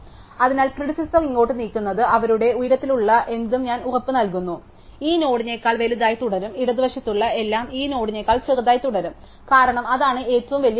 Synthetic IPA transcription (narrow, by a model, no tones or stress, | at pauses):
ɐðinaːɭpriɽisɐsɐŋiŋːo̞ːʈːɨniːkʲːunːɐðɨʔɐʋɐɾuɽe̞ujɾɐt̪ːiluɭːɐʔe̞nd̪umɲaːnurɐpːɨnɐlk̬unːu | iːno̞ːɽiɲekːaːɭʋe̞luðaːjɐt̪uɽɐɾumiɽɐðɨʋɐʂit̪ːuɭːɐe̞lːaːmiːno̞ːɽiɲekːaːɭt͡ɕerɐðaːjt̪ːuɽɐɾum | kaːɾɐɳɐmɐðaːɳɨe̞ːtːɐʋumʋɐlijɐ